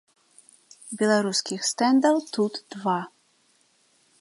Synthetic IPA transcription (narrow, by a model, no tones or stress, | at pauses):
bʲɛlˠaɾuskʲixst̪ɛnd̪ɐwt̪ud̪d̪va